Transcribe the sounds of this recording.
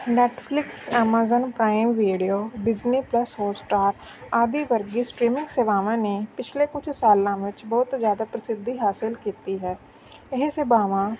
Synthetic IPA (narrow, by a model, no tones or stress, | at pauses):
nɛːʈʰpʰlɪksɛːmaːzənpɾaːimʋiːɖioːbɪd͡ʒniːpləsɦoːsʈaːɾ | aːd̪iːʋəɾɡiːsʈɾiːmɪ̃ŋɡsebaːʋãːneːpɪt͡ʃʰleːkʊt͡ʃʰsaːlãːʋɪt͡ʃbɔːt̪zjaːd̪aːpɾəsɪd̪ːiːɦaːsɪlkiːt̪iːɦɛː | ɪɦsebaːʋãː